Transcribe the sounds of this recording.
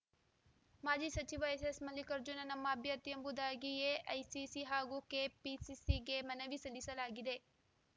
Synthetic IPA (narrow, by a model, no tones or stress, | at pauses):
maːd͡ʒiːsɐt͡ʃiʋɐesesmɐlːikɐɾd͡ʒunɐnɐmːɐɐbʱjɐt̪jɐmbud̪aːɡijeʔɐjsisiɦaːɡukeːpisisiɡemɐnɐʋisɐlisɐlaːɡid̪e